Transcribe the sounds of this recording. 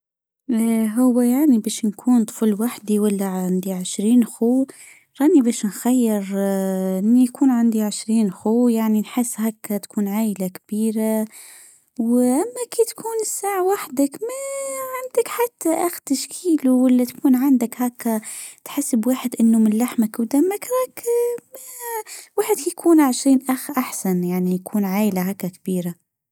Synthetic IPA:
ɦʊwːajaʕnibeːʃnkʰuːnt̪ˤfulwaħd̪iwalːaʕand̪iʕɪʃɾiːnxuː | ɾˤɑːʔnibæːʃnxajːɪɾʔɪnːijkuːnʕand̪iʕɪʃɾiːnxuːjaʕninħɪsːhæːkːat̪kuːnʕaːʔlakb̥iːɾa | wʔamːakiːt̪kʰuːnɪsːaːʕwaħd̪akmaʕand̪ɪkħat̪ːaʔaxt̪aʃkʰiːluwalːat̪kuːnʕand̪ɪkhaːkːat̪ħɪsːɪbwaːħɪd̪ʔɪnːumɪnlaħmakwd̪amːakɾakmawaːħɪd̪kijkʰuːnʕɪʃɾiːnʔaxʔaħsanjaʕnijakʰuːnʕaːjlahaːkːakb̥iːɾa

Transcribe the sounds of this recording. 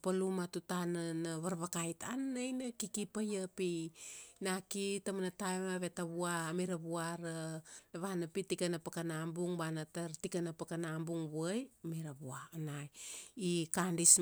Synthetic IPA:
palumatutananaβaɾβakajta̰nːajnakikipajapi | nakitamanatajmaβe̞taβuamiɾaβuaɾanaβanapitikanapakanambuŋbanataɾtikanapakanambuŋβajmiɾaβuaːnajikandis

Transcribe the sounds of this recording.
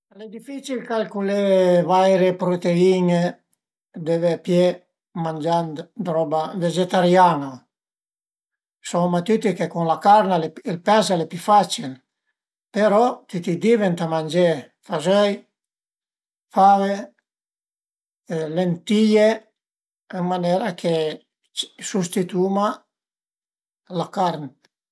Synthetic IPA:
lɛd̪ifit͡ʃilkalkulevajɾepɾot̪eine | d̪evepjɛ | mand͡ʒand̪d̪ɾɔbaved͡ʒet̪aɾjano | somat̪yt̪ikekunlakaɾnaleilpɛzalepyfat͡ʃil | peɾɔt̪it̪id̪ivent̪amand͡ʒe | fazøj | fave | lent̪ije | ɛŋmanɛɾakʰe̥ | sust̪it̪uma | lakaɾn

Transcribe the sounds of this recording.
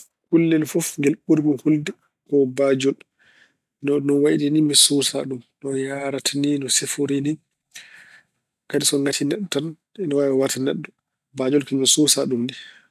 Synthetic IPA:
kulːɛlfɔfŋɡɛlɓuɾɡuhuldɛ | kɔbad͡ʒɔl | nɔnɔwaʔdinimɛsusa̰ɗumnɔjaɾatʰaninɔsɛfoɾini | kadisɔŋɡatʰinɛɗːɔtan | ɛnɔwajwatanɛɗːɔ | bad͡ʒɔlkiɲɔsusaɗumdi

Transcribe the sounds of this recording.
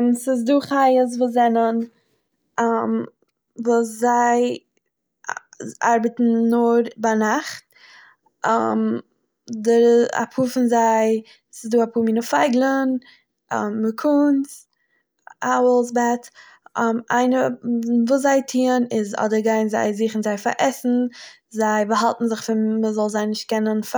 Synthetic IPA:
nsɪz̬duːχajəs̬vuːszɛnən | m | vuːszaɪ | a̰ɾbətn̩nʊɾbanaχt̚ | a̰m | dəɾa̰pʰuːfɪnzaɪ | sɪzduːapʰuːmiːnəfaɪɡlˠən̰ | mːəkʰʊnt͡s | ʔaʊəlˠs̬bɛt | mʔa̰ɪnəvuːs̬zaɪtʰiːənɪzɔ̰dəɾɡaɪnza̰ɪziːχn̩zaɪfa̰ɾʔɛsn̩ | zaɪbəɦalˠtn̩zɪχfɪnməzɔlˠzaɪnɪʃt̚kɛnənf

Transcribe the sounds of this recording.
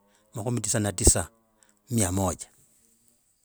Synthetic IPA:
maxumitisanatisa | mjamɔd͡ʒḁ

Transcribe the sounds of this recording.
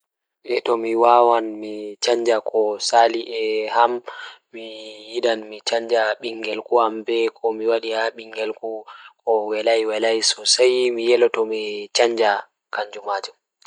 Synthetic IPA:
dɛtɔmiwawanmit͡ʃaɲd͡ʒakʰɔsaliʔɛhammijiɗanmit͡ʃaɲd͡ʒaɓiŋɡɛlkuhambɛkʰɔmiwaɗihaɓiŋɡɛlkukɔwɛlajwɛlajsɔsajmijɛlɔtɔmit͡ʃaɲd͡ʒa | kaɲd͡ʒumaːd͡ʒum

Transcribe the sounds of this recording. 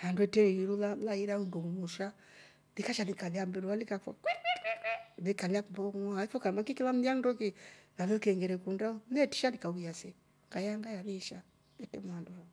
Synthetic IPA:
handuɛtɛiɾulalaiɾauŋɡuumuʃa | likaʃanikalɛambɛɾualikafa̰ | nikaliakumbɔŋaifɔkamakikilam̩ðiaŋdɔkinalɛlkɛŋɡɛɾɛkundaɔɛti̥ʃalikaujasɛ | kajaŋɡajaβiʃa | ɛtɛmuandua

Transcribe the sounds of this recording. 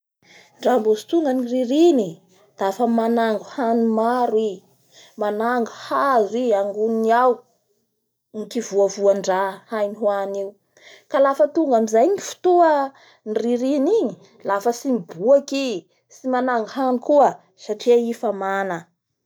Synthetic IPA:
ɳɖ͡ʐambuzut̪uŋɡəniriɾini | d̪̥afəmanaŋɡuhanumaɾi | manaŋɡuhaziaŋɡuniaw | ŋikivuəvuaɳɖ͡ʐahajniɦwaniu | kalafət̪uŋɡamizajnifu̥t̪uə | niriɾiniɲi | lafəsimbuaki | simanaŋɡɦanukuə | saʈ͡ʂiaifamanə

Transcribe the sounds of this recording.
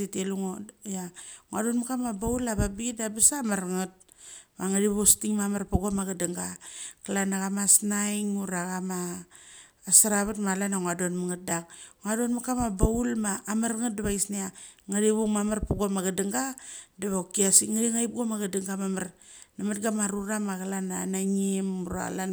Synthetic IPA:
iteluŋojaŋuadonmakamabaulaβabidabasamaɾŋat̚ | maŋaɾiβostiŋmamarpaɡomaɡadaŋɡaklanaɣamasnajŋuɾaɣamaː | saɾaβatmalanaŋuadonmaŋat̚dak̚ŋadonmakamabaulmaːmaɾŋat̚daβaisniaŋaɾiβuŋmamarpaɡomaɡadaŋɡadaβaukiasiŋaɾiŋajp̚ɡomaɡadaŋɡamamarnamat̚ɡamaɾuɾamakalananaɲimuɾa̰lan

